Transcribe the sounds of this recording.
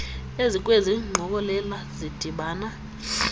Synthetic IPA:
ezik̬ʼweziŋ͡ǃʱɔk̬ʼɔlɛlazid̥ʱiɓaːna

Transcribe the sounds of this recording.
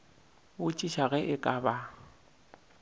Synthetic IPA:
ʊt͡ʃʼiʃaɣɛʔɪkʼaba

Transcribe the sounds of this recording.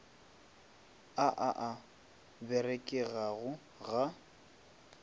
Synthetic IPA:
aʔaʔa | bɛrekʼɪɣaɣʊ | ɣa

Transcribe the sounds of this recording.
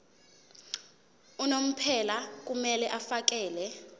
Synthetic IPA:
unom̩pʰɛlak̬ʼumɛlɛʔafak̬ɛːlɛ

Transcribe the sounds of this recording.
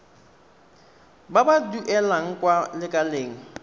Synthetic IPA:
babaduʔɛlaŋ̩kʼwalɪkʼaleːŋ̩

